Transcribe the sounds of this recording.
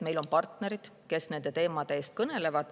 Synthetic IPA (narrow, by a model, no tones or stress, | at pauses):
me̞jlo̞npɑrt̪ne̞ɾid̪̥ke̞sne̞nd̪̥e̞t̪e̞ːmɑd̪̥e̞eːst̪̚kɤne̞le̞vɑd̪̥